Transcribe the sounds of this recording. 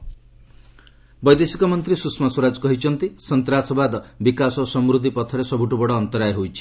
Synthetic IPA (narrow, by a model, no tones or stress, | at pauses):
bɔjd̪esikɔmɔnt̪ɾisusmɔswɔɾad͡ʒɔkɔɦit͡ʃʰɔnt̪isɔnt̪ɾasɔbad̪bikasɔsɔmɾud̪ʱipɔt̪ʰɔɾesɔbuʈubɔɽɔːnt̪ɔɾajɦojt͡ʃʰi̥